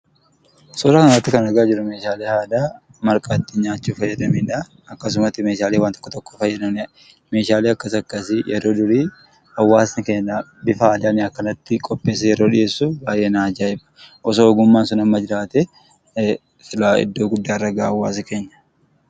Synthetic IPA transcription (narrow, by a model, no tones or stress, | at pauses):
sɔːɾɐkɐnɐt̪ːɪkɐnɐɡaːd͡ʒɪɾʊme̞ːʃaːleːhaːd̪aː | mɐɾkʼaːt̪ːɪɲaːt͡ʃːuːfɐjːɐd̪ɐmiːᶑa | ɐkːɐs̬ʊmɐt̪ːɪme̞ːʃaːlewaːnt̪ɔ̥kːɔt̪ɔkːo̥fɐjːɐd̪ɐnɪ | me̞ːʃaːleːɐkːɐsɐkːɐsɪjɛɾo̞ːd̪ʊɾiː | ɐwːaːsnɪkeːnːɐbɪfɐaːd̪ɐnɪɐkːɐnɐt̪ːɪkʼɔpʼːeːsːɐjɛɾo̞ːᶑɪje̞ːsːubaːjʔeːnaːd͡ʒaːɪmɐ̥ʔɔs̬oːɡʊmːaːnsʊnɐmːɐd͡ʒɪɾaːt̪ɛ | sɪlaːɪ̰d̪ːo̞ːɡʊd̪ːaːrːɐɡaːɐwːa̰ːsɪke̞ːɲːɐ̥